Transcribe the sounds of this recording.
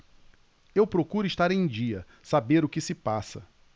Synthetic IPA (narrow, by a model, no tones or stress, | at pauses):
ewpɾokuɾʊiʃt̪aɾẽj̃d͡ʒiɐ | sabeɾʊkɪsɪpasɐ